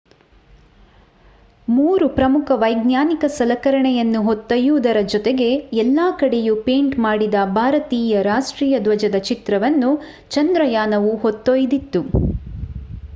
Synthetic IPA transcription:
muːɾupɾɐmukʰɐʋɐjɡnjaːnikɐsɐlɐkɐɾɐɳɛjɐnːuɦot̪ːojuːd̪ɐɾɐd͡ʒɔt̪eɡe̞ɛlːaːkɐɽe̞jupeːɳʈmaːɽid̪ɐbʱaːɾɐt̪iːjɐɾaːʂʈɾiːjɐd̪ʋɐd͡ʒɐd̪ɐt͡ʃit̪ɾɐʋɐnːu | t͡ʃɐnd̪ɾɐjaːnɐʋuɦot̪ːojd̪it̪ːu

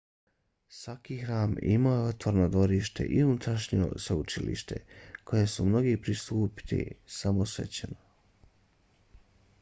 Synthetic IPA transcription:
sʋakixɾaːmḭmajeot̪ʋoɾnod̪ʋo̞ɾiːʃt̪e̞̰ʔiunut̪ɾaʃɲio̰seut͡ʃilḭʃt̪e̞̰kʰo̞jesumno̞ɡipɾist̪uːpi̥t̪ḭsamosʋḛt͡ɕeno

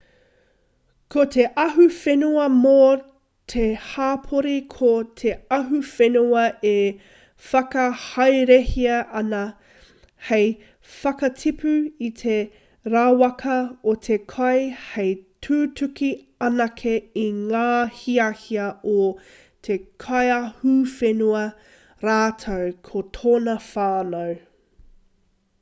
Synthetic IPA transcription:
kʰotʰeʔɐɦufenuɐmo | tʰehaːpʰoɾikʰotʰeɐɦufenuɐʔe | fɐkɐhɐjɾehiɐʔɐnɐ | hej | fɐkɐtʰipʰʉitʰe | ɾawɐkʰɐot̪ʰekʰɐjhejtʰʉːtʰʉki | ɐnɐkʰeiŋaːhiɐhiɐʔo | t̪ʰekʰɐjɐhufenuɐ | ɾaːtʰɐwkʰot̪ʰoːnɐfaːnɐw

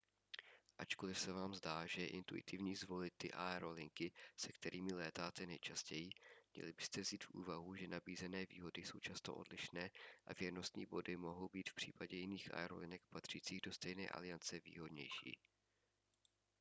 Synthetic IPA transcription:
ʔat͡ʃko̞lɪfsɛvaːmzdaːʒɛʔɪ̰nt̪uɪ̰t̪ɪvɲiːzvo̞lɪt̪̚ːɪ̰ʔaɛɾo̞lɪŋkɪsɛkt̪ɛɾʔiːmɪlɛːt̪aːt̪ɛnɛjt͡ʃascɛjɪmɲɛ̰lɪbɪst̪ɛvziːt̪fʔṵːvaɦuʒɛnabiːzɛnɛːvḭːɦo̞dɪso̞wt͡ʃast̪o̞̰ʔo̞̰dlɪʃnɛːʔa̰vjɛɾno̞st̪ɲḭːbo̞dɪmo̞ɦo̞wbiːt̪fpr̝̥iːpaɟɛjɪniːxʔa̰ɛɾo̞̰lɪnɛk̚pat̪r̝̥iːt͡siːɣdo̞st̪ɛjnɛ̰ːʔa̰lɪjant͡sɛvḭːɦo̞dɲɛ̰jʃḭː

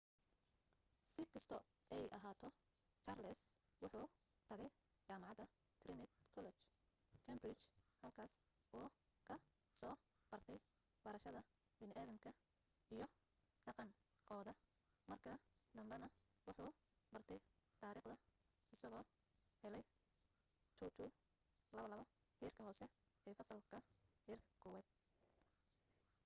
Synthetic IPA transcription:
sɪkʰɐst̪ʰɔ | ɛjʔɐɦaːt̪ʰɔ | t͡ʃaːrlɛs | wʊħuː | t̪ʰɐɣɛj | t͡ʃaːmɑʕɑd̪ɐ | t̪ʰrɪnɪt̪kʰɔlɛt͡ʃ | kʰɐmbrɪt͡ʃhɐlkʰaːs | ʔuː | kʰɐ | sɔː | b̥ɐrt̪ʰɛj | bɐɾɐʃɐðɐ | bɪnɪʔaːðɐmkʰɐ | ijɞ | ɖɑqɑŋkʰɔːðɐ | mɐrkʰɐd̪ɐmbɛnɐ | wɑħuː | bɐrt̪ʰɛjt̪ʰaːɾiːqd̪ɐ | ɪsɐɣɔː | hɛlɛj | t͡ʃʰuwt̪ʰu | lɐβɐlɐβɐ | hɛːrkʰɐɦɔːsɛ | ɛːfɐsɐlkʰɐhɛːrkʰɐ̥kʰɔːwaːd̪̥̚

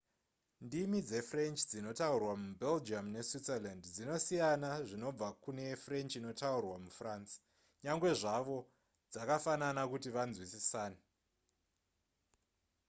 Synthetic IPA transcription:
ndimid͡ze̞fre̞nt͡ʃd͡zino̞taurwamubʱe̞ld͡ʒamne̞switselandd͡zino̞sijanaʐino̞b͡vakune̞fre̞nt͡ʃino̞taurwamufrans | ɲaŋɡwe̞ʐaʋo̞ | d͡zakafananakutiʋanzwisisaːne

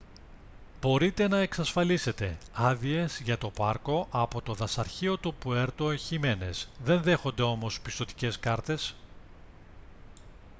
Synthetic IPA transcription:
bo̞ɾit̪e̞nɐeksɐsfɐlise̞t̪e̞ɐðie̞zʝɐt̪o̞pɐɾko̞ʔɐpo̞t̪o̞ðɐsɐɾçio̞t̪upue̞ɾt̪oeçime̞ne̞̰sðe̞nðe̞xo̞nd̪e̞o̞mo̞spist̪o̞t̪i̥ce̞skɐɾt̪e̞s

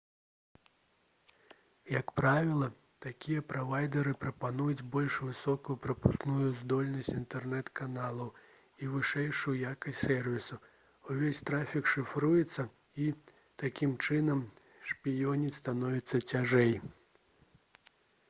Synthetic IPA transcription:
jɐkpɾavʲilˠɐ | t̪akʲijɐpɾavajd̪ɐɾɨpɾɐpanujut͡sʲbɔlʲʂvɨsɔkujupɾɐpusknujuzd̪ɔlʲnɐsʲt͡sʲint̪ɛrnɛt̪kanalˠɐw | ivɨʂɛjʂujjakɐsʲsɛrvʲisu | uvʲesʲt̪ɾafʲikʂɨfɾujɛt̪sːɐ | i | t̪akʲimt͡ʂɨnɐm | ʂpʲijɔnʲist̪anɔvʲit̪sːɐt͡sʲaʐɛj

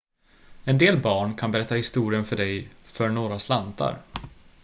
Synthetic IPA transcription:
ɛnd̪eːlbɑːɳkʰanbɛɾɛt̪ːahɪst̪uːɾɪənfœɖɛjfœɳoːɾaslant̪a̰ɾ

